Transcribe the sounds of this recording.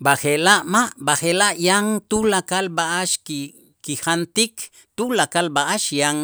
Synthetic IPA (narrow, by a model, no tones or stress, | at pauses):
baxelaʔmaʔbaxelaʔjaŋt̪ulakalbaʔaʃki | kihant̪ik | t̪ulakalbaʔaʃjaŋ